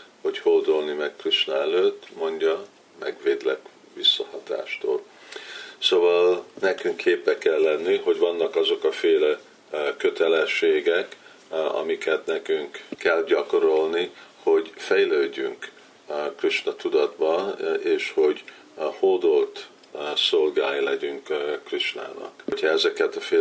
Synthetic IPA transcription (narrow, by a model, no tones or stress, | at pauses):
ho̞choːd̪olnimɛkkriʃnɒɛløːt̪ːmo̞ɲɟɒ | mɛɡʋeːd̪lɛk | ʋisːɒhɒt̪a̰ːʃt̪o̰ːl | sovɒlnɛkyŋkʰːeːpːɛkːɛlːɛnːiɦo̞ɟvɒnːɒkɒzo̞kɒfeːlɛ | kø̞t̪ɛlɛʃːeːɡɛk | ɒ̰mikɛt̪nɛkyŋkːɛlɟɒko̞ɾo̞lniho̞ɟfɛjløːɟːyŋk | kriʃnɒt̪ud̪ɒd̪bɒeːʃho̞ɟ | hoːd̪olt̪ | so̞lɡaːjilɛɟyŋkkːriʃna̰ːnɒ̰kchɒɛzɛkɛt̪ɒfeː